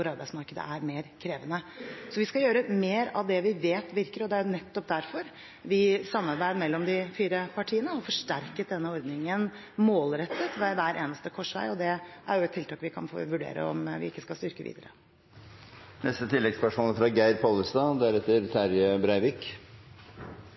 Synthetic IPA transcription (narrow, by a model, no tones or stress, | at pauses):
ʊɾɑɾbæɪsmɑɾkəd̪ə̰ʔæɾmeːɾkʰɾeːʋənəsɔʋɪskɑjøːɾəmeːɾɑ̰ʋd̪ɛʋɪʋeːt̪ʋɪɾkəɾɔd̪ɛæɾjʊnɛt̪ːɔp̚d̪æɾfɔɾ | ʋɪsɑmːɑɾbæɪd̪mɛlːɔmd̪ɪfiːɾəpʰɑʈʰiːənəɔfɔʂʈæɾkət̪̚d̪ɛnːəɔɾd̪nɪŋən | moːlɾɛt̪ːət̪ʋæʋæːɾʔḛːnəst̪əkʰɔʂʋæ̰ɪɔd̪ɛʔæ̰ɾjʊɛt̪t̪ʰːɪlt̪ɑːkʋɪkʰɑnfo̰ʋʉɖḛːɾə̰ɔ̰mʋɪ̰ɪkːəskɑst̪ʏɾkəʋḭːd̪əɾə | nɛst̪ət̪ʰɪlːɛɡspœʂmɔləfɾɑɡæɪɾpʰoːlːəst̪ɑd̪ɛæɾɛt̪ːəɾt̪ʰæɾjəbɾæɪʋɪk